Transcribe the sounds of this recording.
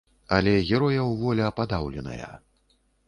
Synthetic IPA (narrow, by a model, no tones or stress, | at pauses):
ɐlʲɛɣʲɛɾɔjɐwvɔlʲɛːpad̪awlʲɛnɐ̰jɐ̰